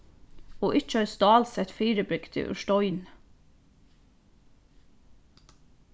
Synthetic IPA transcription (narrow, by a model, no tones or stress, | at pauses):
oːʔɪt͡ʃəɑːɹst̪ɑːlsɛt̪fiːɾəbɾʏkt̪ʰɪ̰ːʔʉ̰ʃtɔʏn